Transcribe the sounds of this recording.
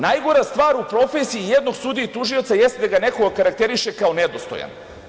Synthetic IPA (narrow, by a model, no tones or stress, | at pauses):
najɡoɾast̪ʋaːɾupɾo̞fesiijed̪no̞ɡsud̪iit̪uʒiot̪saje̞st̪̚d̪aɡane̞ko̞ɡakaɾakt̪e̞ɾiʃe̞kaone̞d̪ost̪o̰ja̰n